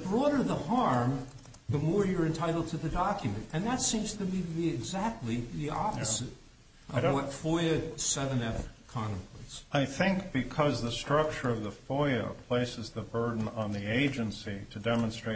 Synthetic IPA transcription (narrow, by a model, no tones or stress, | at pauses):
bɹɔɾə˞ðəhɑɹm | ðəmɔɹjə˞ɨ̃ntʰaɪɾl̩ˠd̚tʰɨðɨdɑkjɨmɨ̃ntɨ̃nðɨtsĩmz̥tʰɨmiɾɨbiɨɡzæk̚tˡliðiɑ̰pəzɨɾ | ʔʌvwʌtfɔɪɨsɛvɨ̃nɛfkʰɑ̃ñɨ̃mpʰotsaɪθɪ̃ŋkb̥ɨkʰʌzðəstɹ̥ʌk̚t͡ʃə˞ʌvðəfɔɪɨ̰pʰl̥eɪsɨzðəbɜ˞dⁿn̩ə̃nðieɪd͡ʒɨ̃nsiɾɨdɛmə̃nstɹ̥eɪ